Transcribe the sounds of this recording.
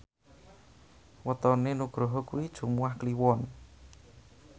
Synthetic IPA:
wət̪ɔnenuɡ̥ɾoɦɔkuwid̥ʒ̥ṳmuwahkliwɔn

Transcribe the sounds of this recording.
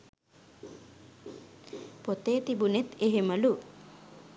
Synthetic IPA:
pot̪eːt̪ibunet̪eɦeməlu

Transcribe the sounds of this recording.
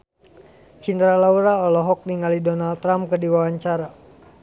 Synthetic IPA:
t͡ʃind̪ɾalauɾaɔlɔɦɔk̚niŋalidɔnalt̪ːɾamkədiwawaɲt͡ʃaɾa

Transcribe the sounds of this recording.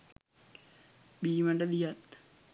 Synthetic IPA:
biːməɳɖəd̪ijat̪

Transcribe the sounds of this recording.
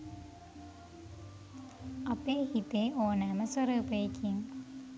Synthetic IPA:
ɐpeːhit̪eːʔoːnæːməsɐɾəːpəjekiŋ

